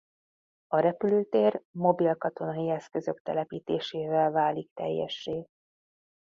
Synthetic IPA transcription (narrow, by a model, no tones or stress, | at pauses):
ɒɾɛpyløːt̪eːrmo̞bilkɒt̪o̞nɒjiɛskø̞zø̞kt̪ɛlɛpiːt̪eːʃeːvɛlvaːlik̚t̪ɛ̰jːɛ̰ʃːeː